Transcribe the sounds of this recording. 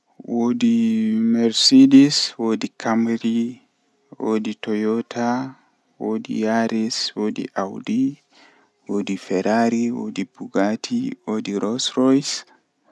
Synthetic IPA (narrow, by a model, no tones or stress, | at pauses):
wodimɛɾsediswoːdikʰamɾi | wo̰ditɔjɔtʰa | wodḭjaɾiswodḭʔawdi | wodifɛɾaɾiwo̰dibuɡatʰiwodiɾɔsɾɔjs